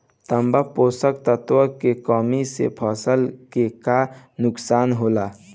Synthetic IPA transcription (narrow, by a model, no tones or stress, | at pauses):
t̪əmbapoːsəkt̪ət̪ʋəkekɔːmisḛpʰəsəlkeka | nʊksaːnɦoːla